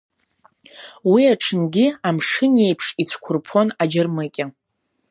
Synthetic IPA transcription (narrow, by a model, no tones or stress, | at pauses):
wiaʈ͡ʂʰɨnɡʲɪamʂɨnje̞jpʰʂit͡sʷʰkʷʰʊrpʰo̞nad͡ʒɪrmɨkʲʼɪ